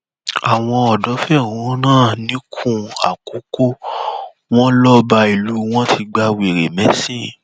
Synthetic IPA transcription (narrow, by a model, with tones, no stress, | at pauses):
a˨w̃ɔ̃˧ɔ˨dɔ˨˦fɛ˦˨ũ˨˦ɔ̃˦nãː˦˨nĩ˨˦kʰũ˦a̰˨ku˨˦ko˦ | w̃ɔ̃˦lɔ˦ba˧i˨lu˨˦w̃ɔ̃˦tʰi˧ɡ͡ba˧we˨ɾe˨mɛ˨˦sĩ˦˨